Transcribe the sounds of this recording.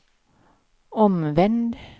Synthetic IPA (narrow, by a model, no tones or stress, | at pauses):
ɔmʋɛnd̪